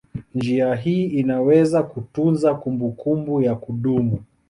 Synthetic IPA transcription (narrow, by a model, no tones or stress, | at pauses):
nd͡ʒiaɦiːinawɛzakutunzakumbukumbujakuɗumu